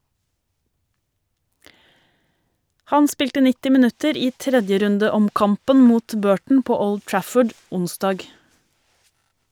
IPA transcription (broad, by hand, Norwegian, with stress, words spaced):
ˈhɑn ˈspɪltə ˈnɪtɪ mɪˈnʉtəɾ ˈiː ˈtɾɛdjəɾʉndəˌɔmˌkɑmpən ˈmuːt ˈbøːʈɳ̩ ˈpoː ˈɔld ˈtɹæfəɖ ˈʊnˌsdɑːɡ